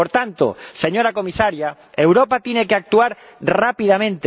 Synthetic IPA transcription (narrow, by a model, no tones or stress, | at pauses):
poɾt̪ant̪o̰seɲoɾakomisaɾja | ewɾopat̪iɲekeak̚t̪uaɾ | rapiðamẽnt̪